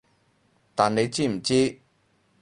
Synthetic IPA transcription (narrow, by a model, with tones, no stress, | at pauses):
t̪a˨nle˨˦t͡ɕi˥˨m̩˨˩t͡ɕi˦